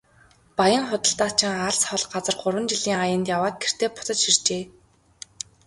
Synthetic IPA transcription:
pajə̆ŋχʊt̪ə̆ɬt̪aːt͡ɕʰɪ̆ŋaɮsɔɮɢat͡sə̆rɢʊrwə̆nt͡ɕiɮiːŋajə̆nt̪jawaːt̪̚ɡer̥t̪eːpʊ̥t̪ə̆t͡ɕʃir̥t͡ɕeː

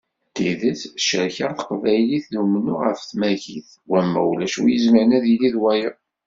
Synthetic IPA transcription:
t̪iðəsʃəɾçəɾθə̥qvæjliθðumnːʊʁəfθmæʝiθ | wæmːæ̰wlæʃṵjəzməʕnæðiliðwæjə

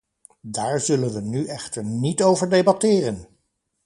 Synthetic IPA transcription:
daːɹzɵlənʋənyʔɛχtəɹnitowvəɹdejbɑtɪːrən

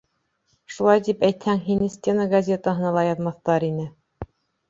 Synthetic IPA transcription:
ʃulˠɑjt̪ipæjt̪hæŋɦinɘsʲt̪ʲenəɡɐzʲe̞t̪əɦɤ̆nɑlˠɑjɑðmɑθt̪ɑɾinɘ

